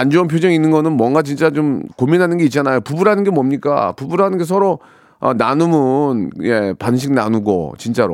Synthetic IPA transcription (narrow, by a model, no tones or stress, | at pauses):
and͡ʑonpʰjod͡ʑʌŋinːɯnɡʌnɯnmwʌnɡat͡ɕint͡ɕ͈at͡ɕomkomːinɦanɯnɡeit̚t͡ɕ͈anajopubuɾɦanɯnɡe̞mʌmɲik͈a̰pubuɾɦanɯnɡe̞s̬ʰʌɾo | ʌ̰nanumɯnje̞panɯɕ̬ʰik̚nanuɡo̰t͡ɕint͡ɕ͈aɾo̰